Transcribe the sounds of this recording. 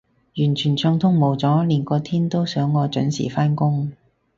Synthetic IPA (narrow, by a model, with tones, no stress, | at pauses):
jyː˨˩nt͡ʃʰyː˨˩nt͡sʊ˧ŋt̪ʰʊ˥ŋmo˨˩wt͡sɔː˨˥liː˨˩nkɔː˧t̪ʰiː˥nt̪o˥wsœː˨˥ŋːɔː˨˧t͡ʃɵ˨˥nsḭː˨˩faː˥nkʊ˥ŋ